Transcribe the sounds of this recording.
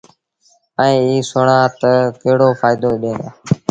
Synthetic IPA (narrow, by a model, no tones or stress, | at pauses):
əẽːiːsoɽãːt̪əkeɦɽoːfaːɪd̪oːɗẽːaː